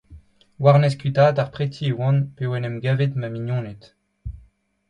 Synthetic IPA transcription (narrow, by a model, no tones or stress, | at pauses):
waʁnɛs̬kɥit̪aːd̪aʁpχet̪ʰiewɑ̃npewɛnɛmɡaːvet̪mamiɲjɔ̃ːnet̪